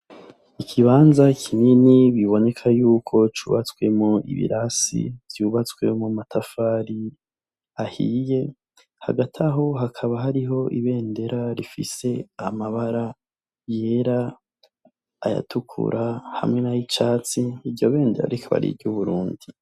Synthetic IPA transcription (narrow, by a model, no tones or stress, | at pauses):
ikʰiβaːnzakʰininiβiβo̞ne̞kʰajuːkʰo̞t͡ʃuːβat͡swe̞moḭβḭɾasḭv̥juβat͡swe̞mumatʰafaːɾi | ahije̞ | ha̰ɡatʰaɦo̞ɦakʰaβaɦaɾiɦo̞ʔiβe̞ːnde̞ɾaɾifḭse̞amaβaɾa | je̞ːɾa | ja̰tukʰṵɾʔaha̰mŋe̞najit͡ʃaːt͡siːɾɟo̞βe̞ːndeɾa̰ɾikʰaβa̰ɾḭbɟuβuɾuːndi